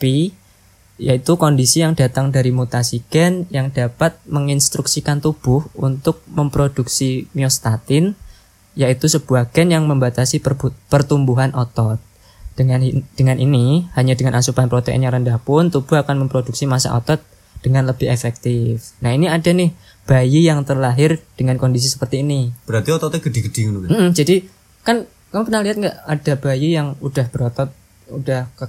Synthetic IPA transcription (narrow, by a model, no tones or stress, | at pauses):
pi | jait̪ukondisijaŋda̤t̪aŋdaɾimut̪asiɡ̥ɛnjaŋdapat̪̚məŋinst̪ɾuksikant̪ub̥ʊhunt̪ʊk̚məmpɾod̥uksimiɔst̪at̪ɪn | jait̪usəb̥uaɡ̥ɛnjaŋməmbat̪asipbupərt̪umbuɦanʔɔt̪ɔt̪̚ | d̥əand̥əŋanʔinihaɲadəŋanʔasupanpɾot̪ɛ̰njaŋɾəndahpʊnt̪ub̥uɦakanməmpɾoduk̚simasa̰ʔo̰t̪ɔt̪̚ | d̥əŋanləbɪɦefɛk̚t̪ɪfnahiniadanɪh | b̥ajijaŋt̪ərlaɦɪrd̥əŋankondis̬isə̥pərt̪iːnib̥əɾart̪iɔt̪ɔt̪aɡədiɡədɪŋnum̩m̩d͡ʒadi | kan | kamupənaliɦat̪ŋɡaʔadab̥ajijaŋudahb̥əɾɔt̪ɔt̪̚ | udah